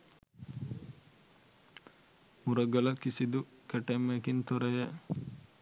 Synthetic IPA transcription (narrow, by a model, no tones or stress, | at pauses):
muɾɐɡɐlɐkisid̪u | kɛʈemekint̪ɔɾɐjɐ